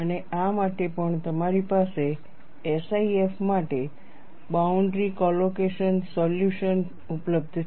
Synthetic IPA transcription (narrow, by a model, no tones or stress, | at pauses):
əneamaʈepəɳt̪əmaɾipaseː | saiefmaʈe | bauɳɖɾikɔlokeʃənsɔljuʃən | upləb̚d̪ʱ